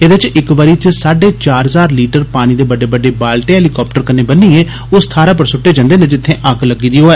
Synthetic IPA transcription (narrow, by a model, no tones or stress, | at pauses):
eːd̪eɪt͡ʃɪkʋəɾiːt͡ʃsaːɖeːt͡ʃaːɾɦəzaːɾliːʈəɾpaːñĩːd̪eːbəɖeːbəɖeːbaːlʈeːɦɛːlikɔːp̚ʈəɾkəneːbənːiːeː | ʊst̪ʰaːɾãːp̬əɾsʊʈːeːd͡ʒãːnd̪eːnẽːd͡ʒɪt̪ʰːẽːʔəkʰləɡiːd̪iːɦoːɛː